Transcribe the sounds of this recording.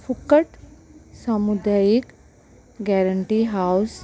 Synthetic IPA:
fʰukəʈsamud̪aːjik | ɡɛːɾəɳʈiɦaws

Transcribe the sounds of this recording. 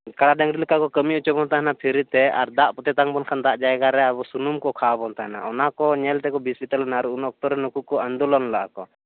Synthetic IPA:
kaɽaɖaŋɾilikakɔkəmiut͡ʃɔbɔnt̪aɦɛnapʰiɾit̪ɛa̰ɾd̪aʔpɔt̪ɛt̪aŋbɔnkʰand̪aʔd͡ʒajɛɡaɾɛaβɔsunumkɔkʰabɔnt̪aɦɛna̰ɔnakɔɲɛlt̪ɛkɔbisit̪ɛlnaɾuʔunɔk̚t̪ɔɾɛnukukɔand̪ulɔnlaʔa̰kɔ

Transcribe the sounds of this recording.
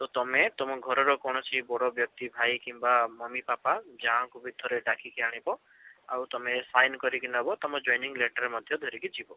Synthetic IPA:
t̪ɔt̪ɔmet̪ɔmɔɡʱɔɾɔɾɔkɔɽ̃ɔt͡ʃʰibɔɽɔbjɔk̚t̪ibʱajkimbamɔmipapad͡ʒaɦãŋkubʱit̪ʰɔɾeɖakʰikiaɽ̃ibɔ | a̰wt̪ɔmesajnkɔɾikinɔbɔt̪ɔmɔd͡ʒɔjniŋleʈɔɾemɔd̪ʱjɔd̪ʱɔɾikit͡ʃʰibɔ

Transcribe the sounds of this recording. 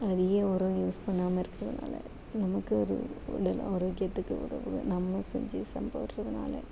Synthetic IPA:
ɐðɪjɐɔɾɐ̃juːspɐɳːaːmɐɪɾɯkːɾɐðɐna̰ːlɐ̰ | nɐmɐkːɯɔɾɯ̰ɪ̰ɽɐlɔɾoːkːɪjɐt̪ːɯkːɯʊ̰ɾɐ̰ʋɯɐ̰nɐmːɐsɛ̰ɲd͡ʒɯsɐmbɐɾrɐðɐna̰ːlɐ̰

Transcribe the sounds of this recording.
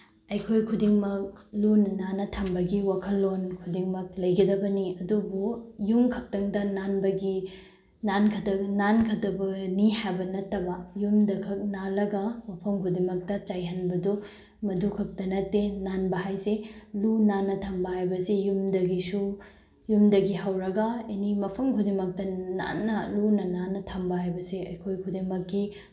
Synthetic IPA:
ɐjkʰojkʰudiŋmɐk̚lunɐnanɐtʰɐmbɐɡiwakʰɐlːonkʰudiŋmɐk̚lɐjɡidɐbɐniɐdubujumkʰɐk̚tɐŋdɐnanbɐɡi | nankʰɐdɐnankʰɐdɐbɐnihajbɐnɐtːɐbɐjumdɐkʰɐk̚nalɐɡɐmɐpʰɐmkʰudimɐk̚tɐt͡ʃajɦɐnbɐdu | mɐdukʰɐk̚tɐnɐtːenanbɐɦajselunanːɐtʰɐmbɐɦajbɐsijumdɐɡisu | jumdɐɡiɦɐwɾɐɡɐɐnimɐpʰɐmkʰudimɐk̚tɐna̰nːɐlunɐnanːɐtʰɐmbɐɦajbɐseɐjkʰojkʰudimɐkːi

